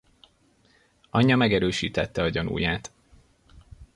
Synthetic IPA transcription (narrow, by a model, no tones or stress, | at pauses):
ʔɒɲːɒmɛɡɛɾøːʃḭːt̪ɛt̪ːɛɒɟɒnṵːjaːt̪